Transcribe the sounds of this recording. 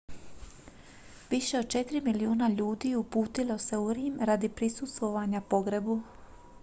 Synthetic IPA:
ʋiʃe̞od̪̚t͡ʃet̪ɾimiliuːnaʎuːd̪iːupuːt̪ilo̞se̞uɾiːmɾad̪ipɾisust̪ʋo̞ʋaɲapo̞ɡɾebu

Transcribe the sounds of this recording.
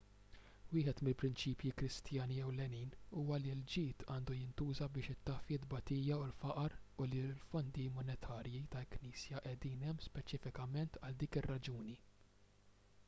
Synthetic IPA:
wɪːħɛt̪mɪlpɾɪnt͡ʃiːpjikɾɪst̪jɐːniɛwlɛniːnuːwɐlild͡ʒɪːt̪ʰɐːnd̪ujɪnt̪uːzɐbɪːʃɪt̪ːɐfjɪd̪bɐt̪iːjɐʊlfɐʔɐɾʊlilfɔnd̪imɔnɛt̪ʰɐːɾjit̪ɐlkniːsjɐʔɛd̪iːnɛmːspɛt͡ʃɪfɪkɐmɛnt̪ɐld̪iːkɪrːɐd͡ʒuːni

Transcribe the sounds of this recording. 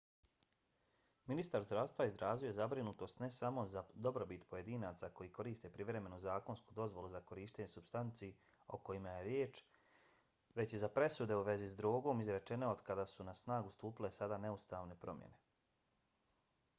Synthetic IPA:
minist̪aɾzd̪ɾaʋst̪ʋaizɾaːzijo̞zabɾinut̪o̞st̪ne̞samo̞zad̪o̞bɾobit̪poje̞d̪iːnaːt̪sako̞jiːko̞ɾiːst̪e̞pɾiʋɾe̞me̞nuzaːko̞nskud̪o̞zʋo̞luzako̞ɾiːʃt̪eɲesubst̪ant̪sie | o̞̰ko̞jimaje̞ɾjeːt͡ʃ | ʋe̞t͡ɕizapɾe̞sud̪e̞uʋe̞zizd̪ɾuːɡo̞ːmizɾe̞t͡ʃe̞no̞od̪kad̪aːsunasnaːɡust̪uːpile̞sad̪aːne̞ust̪aːʋne̞pɾo̞̰mjḛne̞

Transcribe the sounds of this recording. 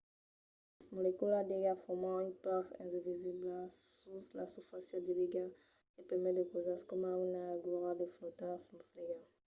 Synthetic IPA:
smolekuladeɡafɔmãipafɛ̰̃zeviziblasuslasufasjɔ̃d̪iliɡa | epɛmɛd̪əkozaskɔmawunaɡʁadeflot̪ãsmɔfleɡa

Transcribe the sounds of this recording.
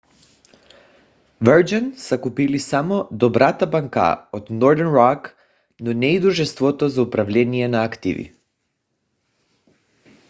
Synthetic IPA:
vɛɾd͡ʒansakupilisamɔd̪ɔbɾat̪abaŋka̰od̪nɔɾd̪ɛɾnɾak | nɔnɛid̪uʒɛst̪vɔt̪ɔzaupɾavʎʲɛnijɛnaakt̪ḭvḭ

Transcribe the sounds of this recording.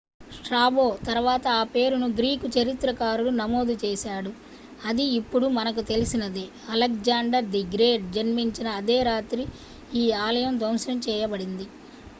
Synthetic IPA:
ʂʈɾaːbo̞ːt̪ɐɾʋaːt̪ɐaːpe̞ːɾunuɡɾiːkut͡ʃɐɾit̪ɾɐkaːɾulunɐmo̞ːd̪ut͡ʃɛːsaːɽu | ɐd̪iːpːuɽumɐnɐk̬ut̪e̞lisinɐd̪e | ɐlɐk̚d͡ʒaːɳɖɐɾɖ̪iɡɾeːɖ̚d͡ʒɐnmiɲt͡ʃinɐːd̪eːɾaːt̪ɾi | iːaːlɐjɐmd̪ɐmsɐɐmt͡ʃɛːjɐbɐɽind̪i

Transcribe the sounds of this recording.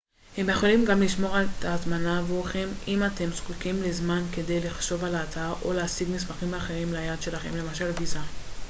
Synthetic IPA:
he̞mjeχo̞limɡamliʃmo̞ʁaltatmanavuχe̞mimat̪e̞msχukimlezmanke̞de̞jliχʃo̞valaːtaʁʔo̞leasiɡmismaχimaːχe̞ʁimlajad̪ʃe̞laχe̞̰mle̞maʃalɡiza

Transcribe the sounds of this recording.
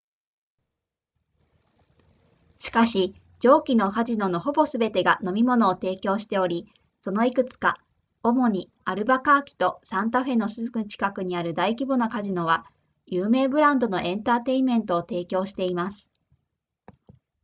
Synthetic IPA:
ɕi̥kaɕi | d͡ʑo̞ːkʲino̞kaʑino̞no̞ɦo̞bo̞sɨbe̞t̪e̞ɡano̞mʲimo̞no̞ːt̪e̞ːkʲo̞ːɕi̥t̪e̞o̞ɾʲi | so̞no̞ikɯ̟t͡sɨ̥ka̰ | o̞mo̞ɲ̟i | aɾɯ̟bakaːkʲi̥t̪o̞sãnt̪aɸe̞no̞sɨzɨkɯt͡ɕi̥kakɯ̟ɲ̟iaɾɯ̟d̪aikʲibo̞nakaʑino̞β̞a | jɯːme̞ːbɯ̟ɾãnd̪o̞no̞ʔẽ̞nt̪aːt̪e̞imẽ̞nt̪o̞ːt̪e̞ːkʲo̞ːɕi̥t̪e̞imasɨ̥

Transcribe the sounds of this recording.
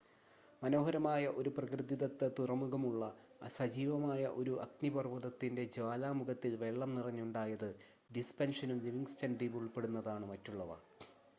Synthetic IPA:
mɐnoːɦɐɾɐmaːjɐʔo̞ɾuprɐkrɨd̪iðɐt̪ːɐt̪urɐmuɣɐmuɭːɐ | sɐd͡ʑiːʋɐmaːjɐʔo̞ɾuʔɐ̰knipɐrʋɐðɐt̪ːinde̞d͡ʑaːlaːmuɡɐt̪ːilʋe̞ɭːɐmnirɐɲːuɳɖaːjɐðɨ | ɖispenʂɐnumliʋiŋɡst͡ɕɐndriʋuɭpe̞ɽunːɐðaːɳɨmɐtːuɭːɐʋɐ̰

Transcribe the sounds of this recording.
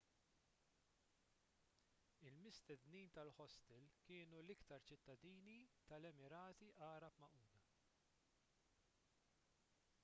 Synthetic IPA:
ɪlmɪst̪ɛd̪niːnt̪ɐlħɔst̪ɪlkɪːnulɪkt̪ɐɾt͡ʃɪt̪ːɐd̪iːnit̪ɐlɛmɪɾɐːt̪iʔɐːɾɐpmɐʔuːd̪ɐ

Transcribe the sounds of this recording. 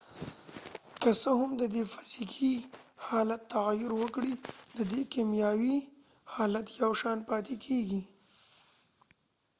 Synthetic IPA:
kəsəhʊmd̪əd̪efḁzikʰihɑlat̪ːaɣajʊɾwəkɽid̪əd̪ekimjɑwihɑlat̪jawʃɑnpɑt̪ekʰeɡi

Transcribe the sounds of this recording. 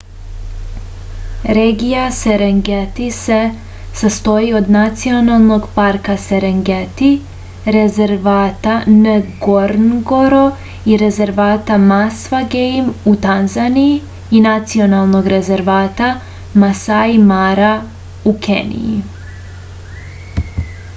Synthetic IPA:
ɾeːɡijaseɾeŋɡet̪ise | sast̪o̞jio̞d̪nat̪sio̞nalˠno̞ɡpaɾkaseɾeŋɡet̪i | ɾe̞ze̞ɾʋaːt̪anəɡoɾnɡo̞ɾo | iɾe̞ze̞ɾʋaːt̪amasʋaɡejmut̪anzaniji | inat̪sio̞nalˠno̞ɡɾe̞ze̞ɾʋaːt̪a | masajmaɾa | ukʰḛnḭji

